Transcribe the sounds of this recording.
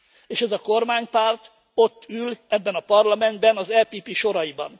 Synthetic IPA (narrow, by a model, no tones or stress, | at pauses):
eːʃɛzɒko̞rmaːɲpaːrt̪ | o̞t̪ːylɛbːɛnɒpɒrlɒmɛnd̪bɛnɒzɛpiːpiːʃo̞ɾɒibɒ̰n